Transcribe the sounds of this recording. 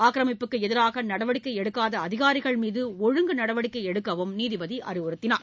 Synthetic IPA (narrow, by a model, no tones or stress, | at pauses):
aːkɾɐmɪpːɯkːɯɛðɪɾaːɣɐnɐɽɐʋɐɽɪkːɐɪɛɽɯkːaːðɐɐðɪɣaːɾɪɣɐɭmiːðɯɔɻɯŋɡɯnɐɽɐʋɐɽɪkːɐɪɛɽɯkːɐʋɯmniːðɪʋɐðiʔɐ̰rɪʋɯɾɯt̪ːɪnaː